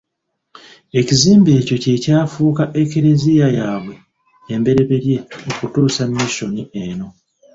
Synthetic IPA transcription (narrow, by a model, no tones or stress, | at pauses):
e̞ciziːmbe̞ːco̞ce̞caːfuːkaʔe̞keɾezijajaːβwe̞ː | mbe̞ɾe̞βe̞ɾje̞okutuːsamiʃonieno̞